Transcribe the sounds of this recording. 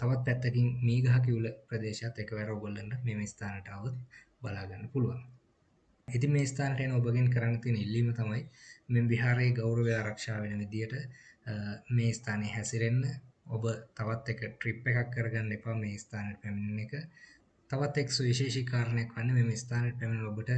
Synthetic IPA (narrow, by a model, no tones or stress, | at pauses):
t̪aʋat̪̚pɛt̪ːekiŋmiːɡaɦak̬iuləprɐd̪eːʃjat̪ːekəʋɛɾəoɡolːənɖəmeːməist̪aːnəʈaːʋət̪̚ | balaːɡanːəpuluʋa̰ŋ | it̪imeːist̪aːnəʈəenəobəɡenkəɾanːət̪iənəilːiːmət̪amajmembiɦaːɾeːɡawɾəʋiaːɾakʂaːʋenəʋid̪ijəʈə | meːist̪ʰaːnejɦɛsiɾenːəobət̪aʋat̪ːekəʈripːekakːəɾəɡanːəlepaːmeːist̪aːneʈəpæmininːekə | t̪aʋat̪ːeksuʋiʃeːʃikaːɾənəjakʋanːəmeːməist̪aːneʈəpæminobəʈə